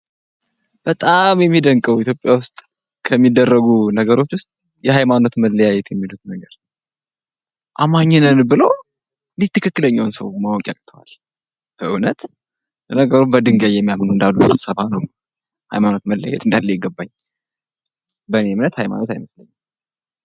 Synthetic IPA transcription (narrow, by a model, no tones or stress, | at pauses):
b̥ət̪ʼamjɛmːid̪əŋkʼəwit̪jo̞pʼjawʊst̪ʼ | kʰəmːid̪ːərːəɡunəɡəɾo̞t͡ʃːwʊst̪ʼ | jɛɦajmano̞t̪məlːəjajɛt̪jɛmːilut̪nəɡəɾ | ʔamaɲːɛnɨnbɨlo | lit̪ʰːɨkʰɨkːɨləɲːawnsəwmawɔkʼakʼt̪ʰəwa̰l | bəʔɨwnət̪ | nəɡəɾumbəd̪ɨŋɡajɛmːijamnuɨnd̪aluusɨsəβhanəw | ha̰jmano̞t̪məlːəja̰jɛt̪ɨnd̪alːejɪɡəbːaɲː | bənemnət̪hajma̰no̞t̪ajməsləɲː